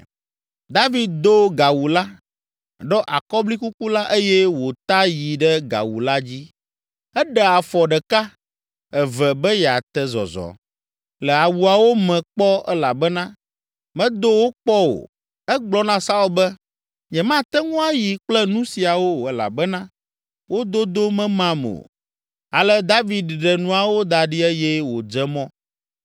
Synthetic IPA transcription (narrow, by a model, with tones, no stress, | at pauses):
d̪a˦vi˦d̪̚d̪o˦ɡa˨wu˨la˦ | ɖɔ˦ʔa˨kɔ˦bli˦ku˦ku˦la˦ʔe˦jɛ˦wo˨t̪a˦ji˨ɖɛ˦ɡa̰˨wṵ˨la˦d͡ʑi˦ | ɛ˦ɖɛ˨a˨fɔ˨ɖɛ˨ka˦ | ɛ˨vɛ˨bɛ˦jɛ˨a˨t̪ɛ˦zɔ̰˨zɔ̰˨ | lɛ˨a˨wu˨a˨wo˦mɛ̃˨k͡pɔ˦ɛ˦la˨bɛ˦nã˦ | mɛ̃˦d̪o˦wo˦k͡pɔ˦wo̰˨ | ɛ˦ɡ͡blɔ˦nã˦sa˦u˦bɛ˦ | ɲɛ̃˨mã˦t̪ɛ˦ŋũ˦a˦ji˨k͡plɛ˦nũ˦si˨a˨wo˦ɛ˨la̰˨bɛ˦nã˦ | wo˦d̪o˦d̪o˦mɛ̃˦mã˦mo̰˨ | a˨lɛ˦d̪a˦vi˨d̪ɖɛ˨nũ˦a˨wo˦d̪a˨ɖi˦ɛ˦jɛ˦wo˨d͡ʒɛ˦mɔ̃˦